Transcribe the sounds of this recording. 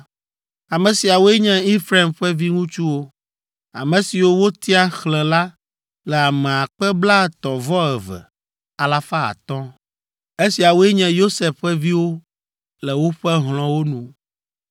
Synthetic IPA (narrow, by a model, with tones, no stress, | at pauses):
a˨mɛ̃˨si˨a˨wo˦ɛ˦ɲɛ̃˦i˦fɾa˨mɸɛ˦vi˦ŋũ˦t͡ʃu˦wo˦ | a̰˨mɛ̃˨si˨wo˦wo˦t̪i˦a˦xlɛ̃˨la˦ | lɛ˨a˨mɛ̃˨a˨k͡pɛ˦bla˦˨t̪ɔ˨vɔ˦ɛ˨vɛ̰˨ | a˨la˦fa˦a̰˨t̪ɔ̃˦ | e˦si˨a˨wo˦ɛ˦ɲɛ̃˨jo˦se˨fɸɛ˦vi˦wo˦ | lɛ˨wo˦ɸɛ˦ɦl̃ɔ̃˨wo˦nũ˨